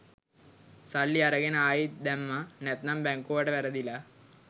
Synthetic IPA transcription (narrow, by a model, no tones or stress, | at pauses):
sɐɭːiɐɾɐɡenəaːjid̪ɛmːanɛt̪nɐmbɛŋkuʋɐʈəʋɛɾɐd̪ila